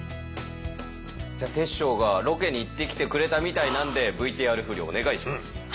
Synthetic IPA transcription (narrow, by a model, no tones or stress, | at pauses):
d͡ʑaːt̪e̞ɕːo̞ːɡaɾo̞ke̞ɲ̟ːiːt̪ːe̞kʲi̥t̪e̞kɯ̟ɾe̞t̪amʲit̪ainãnd̪e̞bɯ̟it̪e̞aɾɯ̟ɸɯ̟ɾʲio̞̰ne̞ɡaiɕi̥masɨ̥